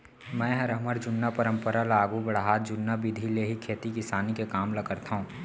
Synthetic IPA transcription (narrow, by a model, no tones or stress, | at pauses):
mɛ̃ːɦɐɾəməɾd͡ʒʊnːapəɾə̃mpəɾalaːɡubɐɽɦaːt̪d͡ʒʊnːabɪd̪ʱileɦikʰeːt̪ikɪsaːnikekaːmlɐkəɾt̪aɦũː